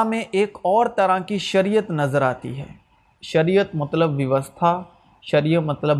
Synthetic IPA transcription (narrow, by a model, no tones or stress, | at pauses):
mẽʔeːkɔːɾt̪ɐɾakiʃɐɾijət̪nɐzəɾaːt̪ḭɦɛ̰ː | ʃɐɾiːjət̪mɐt̪ləbʋjɐʋəst̪ʰa | ʃɐɾijəmɐt̪ləb